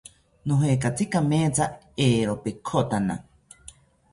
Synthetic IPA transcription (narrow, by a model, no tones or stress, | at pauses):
noɦekat͡sikamẽːt͡sa | eːɾopekʰot̪ana̰